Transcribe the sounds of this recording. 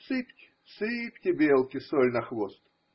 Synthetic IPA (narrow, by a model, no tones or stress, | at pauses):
sɨptʲ | sɨpʲtʲɪbʲelˠkʲɪsɔlʲnɐxvɔst̪